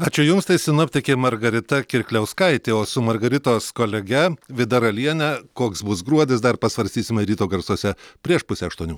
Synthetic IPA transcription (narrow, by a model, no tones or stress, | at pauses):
ɑːt͡ʃʲʊjʊmst̪ɐɪsʲɪnʊɔpʲt̪ʲɪkʲemɐɾɡɐɾʲɪt̪ɐkʲɪɾʲkʲlʲɛʊskɐɪt̪ʲɪoːsʊmɐɾɡɐɾʲɪt̪oːskoːlʲɛɡʲɛʋʲɪd̪ɐɾɐlʲiɛnʲɛkoːksbʊsɡɾuɔd̪ʲɪsd̪ɐrpɐsʋɐɾʲst̪ʲiːsʲɪmʲɛɾʲiːt̪oːɡɐɾsuɔsʲɛpʲɾʲiɛʃpʊsʲɛɐʃt̪uɔnʲuː